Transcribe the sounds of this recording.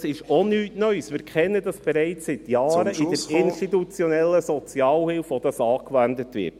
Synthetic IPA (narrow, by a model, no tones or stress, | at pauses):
sɪʃɔnyːtnœʏsmɪːɾkχɛnːəd̥ɑsb̥ɛɾɛɪt͡ssɪt̪jɑːɾəɪdəɾɪnʃtitut͡sjɔnɛlːəsɔt͡sjɑːlhɪlfɔd̥̪ɑsɑːkʋændətʋɪ̰ɾt